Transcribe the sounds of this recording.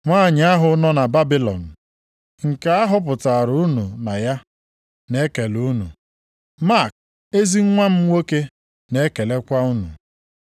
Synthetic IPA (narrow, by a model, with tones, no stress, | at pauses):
ŋʷaː˦˨ɲ˨a˦ɦʊ˨nɔ˦na˨ba˦bi˦lɔ̰˨n̩˨ | ŋ̩˨ka˦a˦ɦʊ˦p̬ʊ˨ta˨ɾu˦nu˨na˨ja˦ | ne˦ke˨lu˦nṵ˨ | ma˦˨k̚ | e˦zi˦ŋ̩˦ŋʷa˦m̩˦wo˦ke˦ | ne˨˦ke˨le˦kʷa˦u˦nṵ˨